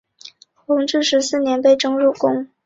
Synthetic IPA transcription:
xʊ˧˥ŋʈ͡ʂɻ̩˥˩ʂɻ̩˧˥sɹ̩˥˩njɛ˧˥npe˥˩ɪʈ͡ʂɤ˥ŋɻu˥˩kʊ˥ŋ

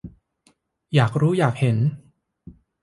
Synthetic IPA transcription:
jaː˨˩k̚ɾuː˦˥jaː˨˩k̚he˩˦n

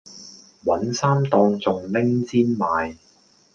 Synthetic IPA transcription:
wɐ˨˥nsaː˥mt̪ɔː˧ŋt͡sʊ˨ŋlɪ˥ŋt͡siː˥nmaː˨˧j

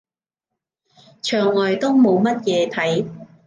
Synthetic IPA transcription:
t͡ʃʰœː˨˩ŋːɔː˨˩jt̪o˥wmo˨˧wmɐ˥t̚jɛː˨˧t̪ʰɐ˨˥j

